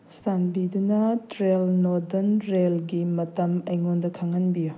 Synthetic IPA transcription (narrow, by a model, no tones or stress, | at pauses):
sanbidunɐtɾelnodɐnɾelɡimɐtɐmɐjŋondɐkʰaŋɐnbiju